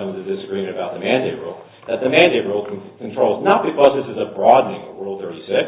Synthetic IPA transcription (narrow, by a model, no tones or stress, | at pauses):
ʌ̃mzɨzdɪsɨɡɹimɨ̃ɾ̃ɨbaʊt̪̚ðɨmæ̃ndeɪt̚ɹulˠ | ðɨt̪̚ðɨmæ̃ndeɪtɹulˠkʰkʰntʰɹ̥oʊlˠznət̚b̥ɨkʰʌzðɪsɨzəbɹɑdⁿn̩ɪ̃ŋəwɜ˞lˠd̪̚θɜ˞ɾisɪk